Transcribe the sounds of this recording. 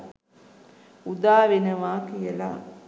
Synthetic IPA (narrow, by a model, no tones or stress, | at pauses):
ud̪aːʋenəʋaːkijəla̰